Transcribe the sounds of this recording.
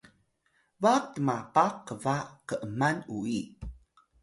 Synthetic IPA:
vatəmapaqːəvakəʔəmanui

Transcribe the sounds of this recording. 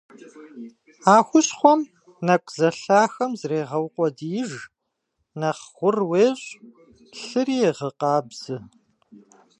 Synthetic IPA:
aːxʷʊɕχʷɔm | nɐkʷʼzɐɬaːxɐmzreːʁɐwqʷʼɔdijɪʒ | nɐχxʷʊrweːɕʼ | ɬɨrijɛʁəqɑːbz̥ɨ

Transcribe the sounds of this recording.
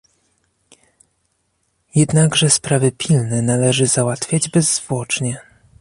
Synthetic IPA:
jɛd̪naɡʐɛspɾavɘpʲʰilnɛnalɛʐɘzawat̪fʲjad͡ʑbɛzːvwɔt͡ʂɲɛ

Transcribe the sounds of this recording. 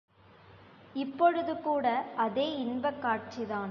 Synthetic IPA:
ɪpːɔɻɯðɯkuːɽɐɐðeːɪnbɐkːaːʈ̚t͡ʃiðaːn

